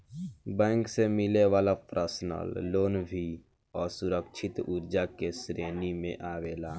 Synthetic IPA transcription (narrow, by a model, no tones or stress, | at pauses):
bɛ̃ːŋksemɪleʋaːlapɾəsnə̰lːoːnbʱi | ɔːɾsʊɾəkʃʰɪt̪ʊɾd͡ʒakesɾeːnimḛ̃ʔaːʋeːlaː